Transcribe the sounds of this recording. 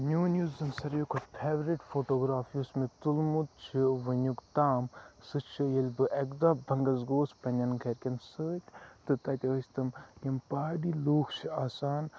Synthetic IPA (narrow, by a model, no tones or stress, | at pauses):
nʲuːnʲjuːzɐnsɐɾjikʰot̪pʰeːʋɾiʈfoːʈoːɡɾaːfiusmit̪ulmut̪̚t͡ʃʰiʋɐnʲukt̪aːmsɨt͡ʃʰɨjɐlʲbɨʔɐkd̪abʱɐŋɡɐzɡoːspɐnʲɐnkʰɐɾʲkʲɐnsɨːt̪ʲt̪ɨt̪ɐt̪ʲɐsʲt̪ɐmjɐmpaːɖiluːkʰt͡ʃʰiaːsaːn